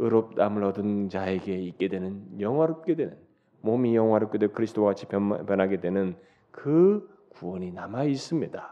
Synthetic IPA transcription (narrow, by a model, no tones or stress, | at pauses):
ɯɾop̚t͈amɯɾʌdɯnt͡ɕaeɡe̞ik͈e̞dwe̞nɯnjʌŋɦwaɾop̚k͈e̞dwe̞nɯn | momijʌŋwaɾop̚k͈edeokɯɾisʰdoaɡat͡ɕʰippjʌnɦaɡe̞dwe̞nɯn | kɯ | kuwʌɲinamais͈ɯmɲida